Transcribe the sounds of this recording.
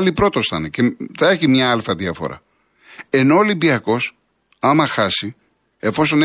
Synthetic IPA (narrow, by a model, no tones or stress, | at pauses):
lipɾo̞t̪o̞st̪ɐneceθɐe̞çimɲɐɐlfɐðiɐfo̞̰ɾɐ̰ | e̞no̞olimbiɐko̞s | ɐmɐxɐsi | e̞fo̞so̞n